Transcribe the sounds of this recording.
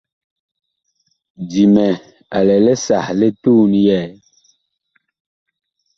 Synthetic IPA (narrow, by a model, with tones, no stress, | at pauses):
di˨mɛ˨ | a˨lɛ˨lɛ˦sa˨hle˦tu˦n˦jɛː˦˨